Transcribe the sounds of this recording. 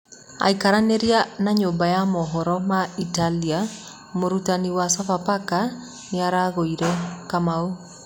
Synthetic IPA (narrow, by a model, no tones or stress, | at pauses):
a̰ikaɾaneɾianaɲombajamɔɦɔɾɔmaitalia | omoɾutaniwasafapaka | neaɾaɣoiɾɛkamao